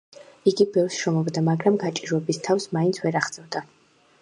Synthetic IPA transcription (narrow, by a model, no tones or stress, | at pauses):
iɡibɛvsʃɔmɔbd̪amaɡɾamɡat͡ʃʼiɾwɛbist̪ʰafsmaint̪sʰvɛɾaχd̪ʼɛvd̪a